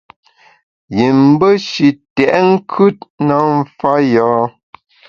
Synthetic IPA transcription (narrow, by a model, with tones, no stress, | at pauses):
ji˨m̩˦bə˦ʃi˨tɛ˨ʔŋ̩˦kʰʉ˦t̚na˨˦m̩˦fa˦jɔː˨˦